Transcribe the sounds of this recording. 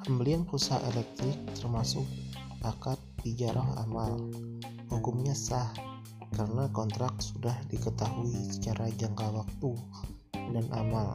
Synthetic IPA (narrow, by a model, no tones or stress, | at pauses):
həmbəlianpusaʔelɛk̚t̪ɾɪk̚t̪ərmasʊk̚ | ʔakat̪̚bid͡ʒaɾʔɔɦa̰mal | hukʊmɲasah | karənakɔnt̪ɾak̚sudahdikət̪aɦuisə̥t͡ʃaɾʔad͡ʒaŋkawak̚t̪u | danʔa̰mal